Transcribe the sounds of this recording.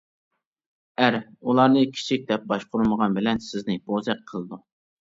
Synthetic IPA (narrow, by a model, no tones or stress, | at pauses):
æɾulˠɑɾnɨkʲʰi̥t͡ʃʰik̚ʲd̪ɛp̚bɑʃqʰʊɾməʁɑnbɪlɛnsɪznɪbozɛqqʰːəlˠɨd̪u